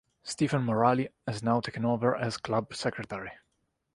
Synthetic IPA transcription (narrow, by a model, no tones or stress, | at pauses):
st̪ivə̃nmɔɹaliɪznawt̪ʰekə̃novəɹʔɨz̥kʰlʌbsɛkɹət̪ɛɹi